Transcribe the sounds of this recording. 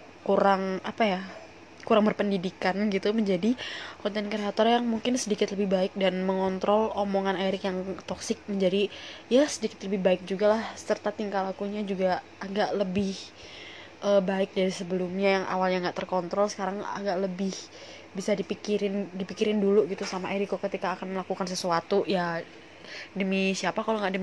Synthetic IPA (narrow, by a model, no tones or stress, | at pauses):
kuɾaŋapaja | kuɾaŋbərpəndidikanɡit̪uməɲd͡ʒadikɔnt̪ɛnkəɾeat̪ɔrjaŋmuŋkɪnsədikɪt̪ləbɪhbaɪk̚danməŋɔnt̪ɾɔlomoŋanaɾɪkjaŋt̪ɔksɪk̚məɲd͡ʒadijasədikɪt̪ləbɪhbaɪk̚d͡ʒuɡalahsərt̪at̪iŋkalakuɲad͡ʒuɡaː | ɡaʔləbɪh | ʔəbaɪk̚daɾisəbəlumɲajaŋʔa̰walɲaŋɡaʔt̪ərkɔnt̪ɾɔlsə̥kaɾaŋa̰ɡaʔləbɪh | bisadipikiɾɪndipikiɾɪnduluɡit̪usamaʔeɾikokət̪ikaːkanməlakukans̬əsuat̪uja | dəmisiapakaloŋɡaʔdə